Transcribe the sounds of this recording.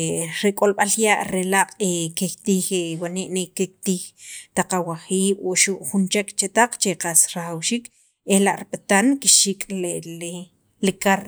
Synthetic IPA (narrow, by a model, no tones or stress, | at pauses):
ɾekʼolɓaljaʔɾelaqʼekekt̪iːxewaniʔnikːek̚t̪iːxt̪aqawaχiːɓoʔʃuʔχunt͡ʃekt͡ʃet̪aq͡χt͡ʃeqasɾaχawʃiːk | elaʔɾiɓat̪ankiʃikʼlele | likaɾ